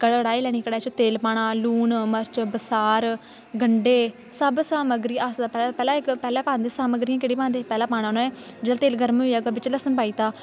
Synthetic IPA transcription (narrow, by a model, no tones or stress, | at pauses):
kəɽɽaːilɛːɽ̃iːkəɽaːt͡ʃʰot̪eːlpaːɽaːluːnməɾt͡ʃbəsaːɾ | ɡəɳɖeː | səbsaːməɡɾiːasd̪aːpɛːlapɛːlãːɪkpɛːlãːpãːnd̪eːsaːməɡɾijãːkeːɽiːpãːnd̪eːpɛːlãːpaːñãːnoːɛːd͡ʒeːdaːt̪eːlɡəɾmoaːɡəbɪt͡ʃləsənpaːiːt̪aː